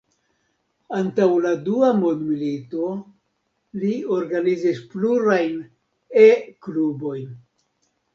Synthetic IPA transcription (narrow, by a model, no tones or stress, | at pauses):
antawladuamondmilito̞ | lio̞ɾɡanizispluɾajn | eklubo̞jn